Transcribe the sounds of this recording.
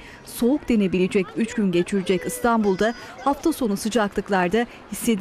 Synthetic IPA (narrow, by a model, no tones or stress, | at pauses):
so̞uk̚d̪e̞ne̞bilʲid͡ʒɛcyt͡ʃɟynɟe̞t͡ʃʰiɾid͡ʒɛcɯst̪ʰanbulˠd̪ahaft̪ʰaso̞nusɯd͡ʒaklˠɯklˠaɾd̪a | hisːe̞d̪